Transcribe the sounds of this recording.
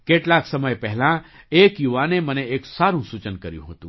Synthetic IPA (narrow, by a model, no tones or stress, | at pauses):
keːʈlaːksəməjpɛɦlã | eːkjuʋaːneməneeːksaːɾũsut͡ʃənkəɾjṵ̃ɦot̪ũ